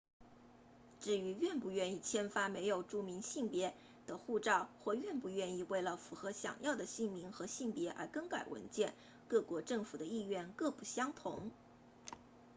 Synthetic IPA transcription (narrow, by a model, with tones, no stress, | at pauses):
ʈ͡ʂɻ̩˥˩y˧˥ɥɛ˥˩npu˥˧ɥɛ˥˧ni˥˩t͡ɕʰjɛ˥nfa˥me˧˥ɪjo˨˩ʊʈ͡ʂu˥˩mi˧˥ŋɕi˥˩ŋpjɛ˧˥ | d̪̥ə˧xu˥˧ʈ͡ʂɑ˥˧ʊxwɔ˥˧ɥɛ˥˧npu˥˧ɥɛ˥˧ni˥˧we˥˩ɪlə˩fu˧˥xɤ˧˥ɕjɑ̰˨˩ŋjɑ˥˩ʊd̪ə˩ɕi˥˩ŋmi˧˥ŋxɤ˧˥ɕi˥˩ŋpjɛ˧˥ʔə̰˧˥kə˥ŋka˨˩ɪwə̰˧˥nt͡ɕjɛ˥˧n | kɤ˥˩kwɔ˧˥ʈ͡ʂɤ˥˩ŋfu˨˩d̪ə˦i˥˧ɥɛ˥˧nkɤ˥˧pu˥˩ɕjɑ˥ŋt̪ʰʊ̰˧˥ŋ